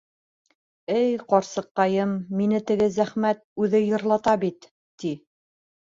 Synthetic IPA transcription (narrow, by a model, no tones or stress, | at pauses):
ɘjqɑɾsɤ̆q̚ːɑjɤmːinɘt̪ɘ̆ɡɘzæχmæt̪̚ʉðɘjɤ̆ɾlˠɑt̪ɑbit̪ː | i